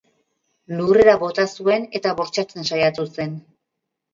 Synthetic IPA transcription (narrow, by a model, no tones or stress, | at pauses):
lure̞ɾaβo̞t̪asue̞ne̞t̪aβo̞ɾt͡ʃat͡se̞nsajat̪use̞n